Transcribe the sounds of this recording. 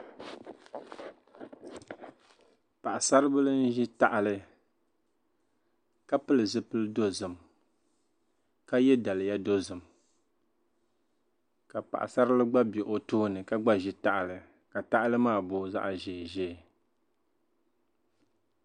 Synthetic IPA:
pa˨ʔa˨sa˦ɾɨ˦bɨ˦lɨ˦n̩˦ʒi˦ta˦ʔa˨lɨ˦ | ka˦pɨ˦lɨ˨zɨ˦pɨ˦lɨ˦do˦zɨ˨m | ka˦jɛ˦da˨lɨ˨ja˦do˦zɨ˨m | ka˨pa̰˨ʔa̰˨sa˦ɾɨ˦lɨ˦ɡ͡ba˦bɛ˨ʔo˦tʊ˦hnɨ˨ka˦ɡ͡ba˦ʒi˦ta˦ʔa˨lɨ˨ | ka˨ta˦ʔa˦lɨ˦maː˦˨bʊ˦za̰˦ʔa˨ʒɛ˨ʒɛː˦˨

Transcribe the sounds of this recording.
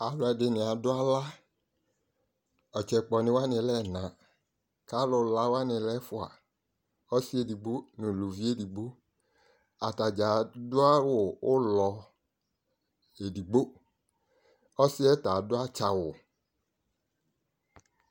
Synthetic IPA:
a˨lʊ˨˦ɛ˧dɪ˨˧nɪ̃˨a˨dʊ˦a˦la˦ | ɔ˨t͡ʃɛ˨k͡pɔ˨nɪ̃˨˦wa˦nɪ̃˧lɛ˦˨nã˨ | ka˦lʊ˧la˦wa˦nɪ̃˧lɛ˦fʊ˦a̰˨ | ɔ˦sɪ˦e˦di˨ɡ͡bo˦nʊ̃˨lu˨vi˦e˦di˨ɡ͡bo˦ | a˨ta˨d͡ʒa˨dʊ˦a˦wʊ˨ʊ˦lɔ˧ | e˨di˨ɡ͡bo˦ | ɔ˦sɪ˦ɛ˦ta˨dʊ˦a˦t͡ʃa˨wʊ˨

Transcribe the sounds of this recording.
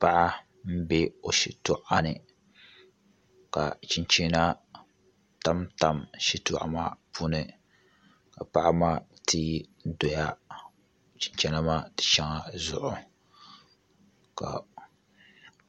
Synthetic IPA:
pa˦ʔa˦ | m̩˦be˦o˨ʃi˨tʊ˦ʔa˦nɨ˨ | ka̰˨t͡ʃi˨nt͡ʃi˦na˦ | ta˦mta˦mʃi˦tʊ˦ʔa̰˦ma˦pʰu˦nɨ˨ | ka˨pa˦ʔa˦ma˦tʰi˦do˨ja˦ | t͡ʃi˨nt͡ʃɛ˦na˦ma˦tɪ̥˨t͡ʃɛ˦ŋa˦zʊ˦˨ʔʊ˨ | ka̰˨

